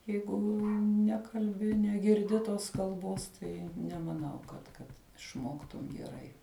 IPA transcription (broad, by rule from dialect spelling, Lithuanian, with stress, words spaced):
ˈjɛɪɡʊ ˈnʲæːkɐlʲbʲɪ nʲɛɡʲɪrʲˈdʲɪ ˈtoːs kɐlˠˈboːs ˈtɐɪ nʲɛmɐˈnɐʊ kɐt ˈkɐt ɪʃˈmoːktʊm ɡʲɛˈrɐɪ